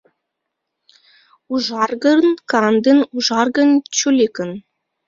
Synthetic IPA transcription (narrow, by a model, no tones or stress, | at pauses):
uʒɑrɡɤ̆nkɑnd̪ənuʒɑrɡə̆nt͡ɕulʲekə̆n